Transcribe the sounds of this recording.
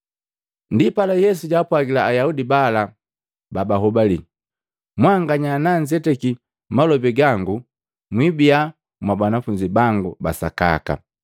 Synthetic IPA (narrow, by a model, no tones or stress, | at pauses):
ndipalajɛsuɟaːpwaɡilaːjaudibala | babaɦɔbali | mwaŋɡaɲanaɲd͡ʒɛtɛki | malɔbiɡaŋɡu | mwibia | mwabanafuɲd͡ʒibaŋɡuba̰sa̰ka̰ka̰